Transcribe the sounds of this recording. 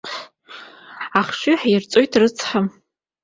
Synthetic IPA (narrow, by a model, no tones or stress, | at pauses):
aχʃʷʏħirt͡sʼo̞jtʰrɨt͡sʰħam